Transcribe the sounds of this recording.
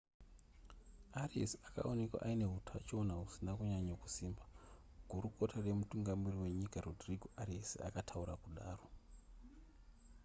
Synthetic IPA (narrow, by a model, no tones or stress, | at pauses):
ariḛsaka̰one̞kwa̰ʔaine̞ɦutʰa̰t͡ʃo̞naɦusinakuɲaɲaku̥siːmba | ɡ̥ʱuɾuko̞tare̞mutuŋɡamiriwe̞ɲikarodriɡʱoariesa̰katʰauɾakuɗaːro̞